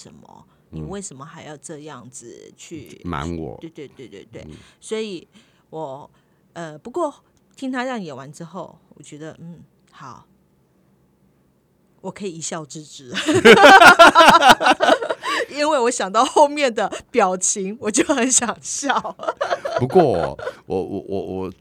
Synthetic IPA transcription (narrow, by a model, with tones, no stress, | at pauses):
ʂə˧˥nmə̰˧ | ni˨˩we˥˩ɪʂə˧˥nmə˨xa˧˥ɪjɑ˥˧ʊʈ͡ʂɤ˥˧jɑ̰˥˩ŋd͡zɹ̩˨˩t͡ɕʰy˥˧ma̰˧˦nwɔ̰˨˩e˥˧ɪt̪we˥˩ɪt̪we˥˧ɪt̪we˥˧ɪt̪wḛ˥˩swɔ˧˥i˨˩ | wɔ˨˩ | ə˧pu˧˥kwɔ˥˩ | t̪ʰi˥ŋt̪ʰa˥ɻɑ˥˩ŋjɛ˨˩wa˧˦nʈ͡ʂɻ̩˥xo˥˩ʊwɔ̰˨˩t͡ɕɥɛ˧˥d̪ə˧n̩˥˩ | xɑ˨˩˦ʊ | wɔ˨˩kʰɤ˧˥i˨˩i˧˥ɕjɑ˥˧ʊʈ͡ʂɻ̩˥˧˩ʈ͡ʂɻ̩˧˥ | i˦˥nwe˥˩ɪwɔ˧˥ɕjɑ˨˩ŋt̪ɑ˥˧ʊxo˥˧ʊmjɛ˥˩nd̪ə˩pjɑ˨˩ʊt͡ɕʰi˧˥ŋwɔ˨˩t͡ɕjo˥˩ʊxə˧˥nɕjɑ˨˩ŋɕjɑ˥˨ʊpu˧˦kwɔ˥˩wʔɔ̰˨˩˦wɔ˨˩wʔɔ̰˨˩wɔ˨˩